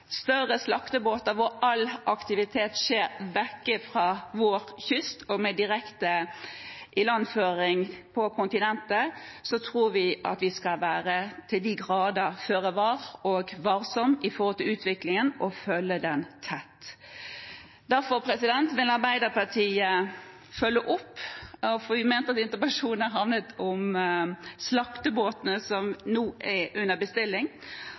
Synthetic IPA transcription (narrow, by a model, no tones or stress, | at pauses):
st̪œʁəslɑkt̪əboːt̪əɾʋʊɾɑlʔɑkt̪ɪʋɪt̪ʰeːt̪ʃeːɾʋɛkːəfɾɑʋoːɾçʏst̪ɔmɛd̪ɪʁɛkt̪ə | ʔɪlɑnføːɾɪŋpʰɔkʰʊnt̪ɪnɛnt̪əsɔt̪ʰʁuːɾʋɪʔɑ̰t̪ʋɪskɑlʋæːɾət̪ʰɪld̪iːɡʁɑːd̪əføːɾəʋɑːɾɔɡʋɑːɾsɔmɪfɔhɔlt̪ɪlʉːt̪ʋɪklɪŋənɔfœlːəd̪ɛnt̪ʰɛt̪ː | d̪æɾfɔɾpʰɾɛsɪd̪ɛnt̪ʋɪlɑɾbæɪd̪əpɑʈʰiːə | fœlːəʔɔpːfɔʋɪmeːnt̪əɑt̪ɪnt̪əbɑʂuːnn̩æɾhɑʋnət̪ʰɔm | slɑkt̪əboːt̪nəsɔmnuːʔɛʔʉnːəbəst̪ɪlːɪŋ